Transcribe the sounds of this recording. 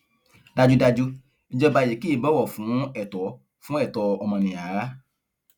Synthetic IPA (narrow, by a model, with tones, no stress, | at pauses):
da˧d͡ʒu˦da˧d͡ʒu˦ | i˦d͡ʒɔ˦ba˧˨je˨ki˨˦i˦˨bɔ˦wɔ˨fũ˨˦ɛ˦˨tɔ˨˦ | fũ˦ɛ˦˨tɔ˧ɔ˧mɔ̃˧nĩ˨a˨a˦